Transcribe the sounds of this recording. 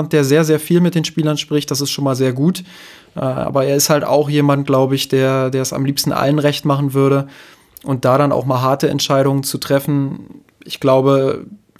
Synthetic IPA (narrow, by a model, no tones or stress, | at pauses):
nt̚d̥eːɐzeːɐzeːɐfiːlmɪt̚d̥eːnʃpiːlɐnʃpʁ̥ɪçt̚d̥as̬ɪstʃoːnmaːlzeːɐɡuːt | ʔɛʔa̰ːbɐeːɐɪsthalta̰ʊxjeːmant̚ɡ̥laʊbəɪçd̥eːɐdeːɐɛsa̰mliːpstn̩ʔa̰lənʁɛçtmaχn̩vʏɐɾə | ʔʊnt̚d̥aːɾana̰ʊxmaːlɦaɐtəɛ̰ntʃaɪɾʊŋənt͡sutʁ̥ɛfn̩ | ɪçɡ̥laʊbə